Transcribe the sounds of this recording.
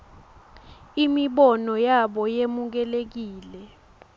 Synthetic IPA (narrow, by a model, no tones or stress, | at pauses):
imiɓɔnɔjaɓɔjemuk̬ɛlek̬iːlɛ